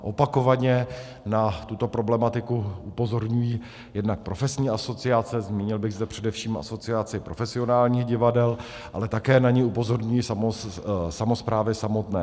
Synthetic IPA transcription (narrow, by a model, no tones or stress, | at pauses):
ʔopako̞vaɲɛ | nat̪ut̪o̞pɾo̞blɛmat̪ɪkuupo̞zo̞ɾɲujiː | jɛdnak̚pɾo̞fɛsɲiːʔaso̞t͡sɪat͡sɛzmiːɲɪlbɪɣzd̪ɛpr̝̥ɛdɛfʃiːmʔa̰so̞t͡sɪat͡sɪpɾo̞fɛsɪo̞naːlɲiːxɟɪvadɛl | ʔa̰lɛt̪akɛːnaɲɛupo̞zo̞ɾɲujisamosamo̞spɾaːvɪsamo̞t̪nɛː